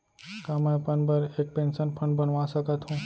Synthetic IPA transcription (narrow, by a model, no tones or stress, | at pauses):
kãːmepənbəɾeːk̚pẽːnsənpʰə̃ɳɖbənʋãsəkət̪ɦũː